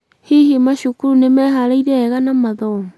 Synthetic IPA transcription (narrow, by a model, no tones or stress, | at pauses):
hiɦemaɕukuɾunemɛɦaɾaiɾɛːɣanamaðɔ